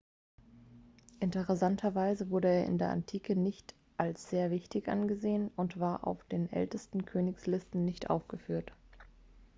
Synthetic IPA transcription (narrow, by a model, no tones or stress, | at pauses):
ʔɪntəʁɛsantʰɐvaɪzəvʊɐɾəeːɐʔɪ̰ndeːɐʔa̰ntʰiːkənɪçt | ʔalsz̥eːɐvɪçtɪçʔa̰nɡəzeːənʊntv̥aːɐʔa̰ʊfd̥eːnʔɛ̰ltəstn̩kʰøːnɪçslɪstn̩nɪçtʔa̰ʊfɡ̥əfyːɐt